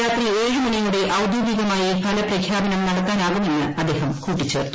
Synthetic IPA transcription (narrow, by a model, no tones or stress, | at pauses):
aːt̪ːileːɻɨmɐnɐjjuɽe̞ʔɐwd̪ʱjuːɡiɣɐmaːjɐpʰɐlɐprɐkʰjaːbɐnɐmnɐɽɐt̪ːaːnaːɣumenːɨɐd̪ːe̞ːɦɐmkuːʈːit͡ɕːɨ